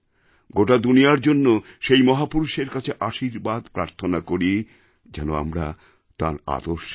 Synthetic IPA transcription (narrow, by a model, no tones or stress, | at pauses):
ɡoʈad̪unijaɾd͡ʑonːoʃejmɔɦapuɾuʃeɾkat͡ɕʰeʔaʃiɾbad̪pɾaɾt̪ʰonakoɾi | d͡ʑɛnoa̰mɾa | t̪aɾa̰d̪oɾʃ